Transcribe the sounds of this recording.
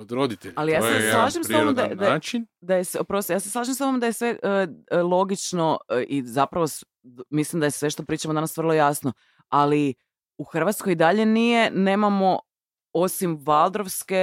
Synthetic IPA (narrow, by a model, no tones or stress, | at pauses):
od̪ɾod̪it̪eʎalijaːseslˠaːʒimseod̪ad̪at͡ʃind̪ajesopɾost̪jaːseslˠaːʒimseoomod̪ajesʋeʔəlˠo̞ɡit͡ʃno̞izapɾaʋos | mislimd̪ajesʋe̞ʃt̪opɾiːt͡ʃamod̪anasʋr̩lˠo̞jasno | ali | uxr̩ʋat̪skojid̪aʎe̞nije̞ne̞ːmamo̞ | o̞simʋalˠd̪ɾoʋske